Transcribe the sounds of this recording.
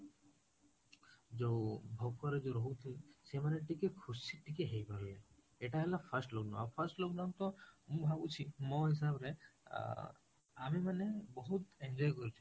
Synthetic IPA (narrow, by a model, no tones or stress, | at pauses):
d͡ʒobʱɔɡkɔɾed͡ʒoɾɔɦut̪ʰisemaneʈikekʰusiʈikeɦejpaɾle | eʈaɦelapʰaɾsʈlok̚ɖã̰apʰɐɾsʈlokɖant̪ɔmũbʱabut͡ʃʰimɔ̃ɦis̬abɾḛ | amimanebɔɦut̪eɲd͡ʒɔjkɔɾut͡ʃʰi̥